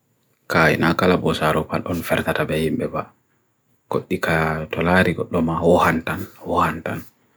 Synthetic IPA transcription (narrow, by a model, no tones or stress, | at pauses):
kaːḭnakalabɔsaɾɔpa̰lɔnfɛɾtatabɛhimbɛba | ɡ̥oɗːikʰatɔlaɾiɡɔ̰ɗːɔmahɔhantanhɔhantan